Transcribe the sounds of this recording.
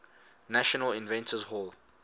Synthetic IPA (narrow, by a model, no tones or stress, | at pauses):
naʃɔnəlɪ̃nvɛ̃ntʰəzhɔl